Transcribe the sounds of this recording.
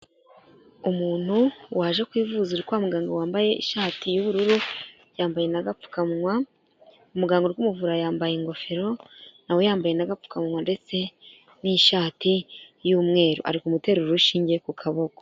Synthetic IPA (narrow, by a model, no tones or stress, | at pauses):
umuːn̥huwaːʒe̞kwiːvuzuɾikwamuɡaːŋɡowaːmbaje̞ʔḭʃaːtijuβuɾuɾu | jaːmbaje̞naɡap͡fu̥kamwa | umuɡaːŋɡoɾikumuvuɾajaːmbajeŋɡo̞fe̞ɾo̞nawejaːmbaje̞naɡap͡ffu̥kamŋwande̞t͡se̞ | niʃaːtijuːmŋe̞ːɾo̰ʔa̰ɾikumute̞ɾuɾuʃiːɲɟe̞kukʰaβoko